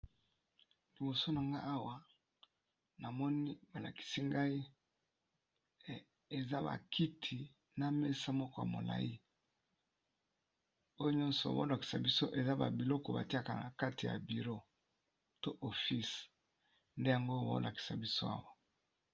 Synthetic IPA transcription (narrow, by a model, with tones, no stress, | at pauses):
li˨bo˨so˦na˨ŋɡa˦ʔa˦wa˨ | na˨mɔ˦ni˦ba˨la̰˨ki̥˨si˦ŋɡa˦i˦˨ | e˨za˦ba̰˨kʰi˦tʰi˨ | na˨me˦sa˦mɔ˦kɔ˦ja̰˨mo̰˨la̰˨ji˦ | o˦jo˦ɲɔ˦nsɔ̰˨bo̰˦la˨ki̥˨sa̰˨bi˦so˦ʔe˨za˦ba̰˨bi˨lɔ˦kɔ˨ba̰˨ti˦a˦˨ka̰˨ka˦ti˨ja̰˨bi˨ʁo˦ | to˦ʔo˨fi˦s | nde˦ja˨ŋɡo˦o̰˦lʔa˨ki̥˨sa˨bi˦so˦a̰˦wa˨